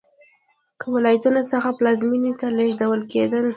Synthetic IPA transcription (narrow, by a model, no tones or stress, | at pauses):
kəwɪlɑjat̪unosəxaplɑzminit̪aleʒd̪awəlked̪əl